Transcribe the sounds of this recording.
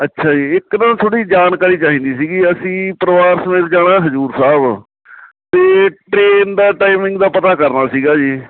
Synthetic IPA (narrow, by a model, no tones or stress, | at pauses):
ətːʃʰaːd͡ʒiːɪknãːt̪ʰoːɽiːd͡ʒaːnkaːɾiːt͡ʃaːɦĩːnd̪iːsiːɡiːəsĩːpəɾəʋaːɾsəmeːt̪d͡ʒaːɽãːɦəzuːɾsaːb | t̪eːʈɾeːnd̪aːʈaːimɪ̃ŋɡd̪aːpət̪aːkəɾnaːsiːɡaːd͡ʒiː